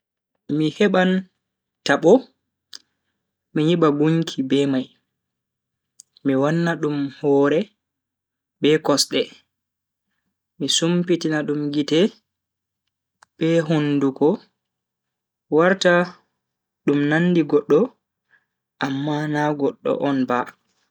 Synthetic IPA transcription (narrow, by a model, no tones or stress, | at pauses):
mihɛɓan | taɓɔ | miɲiɓaɡuŋkʰibɛmaj | miwanːaɗumhɔːɾɛ | bɛkɔsɗɛ | misumpitinaɗumɡitɛ | ɓɛɦundukɔ | waɾta | ɗumnanːdiɡɔɗːɔ | ʔamːanaɡɔɗːɔ̰ʔɔnba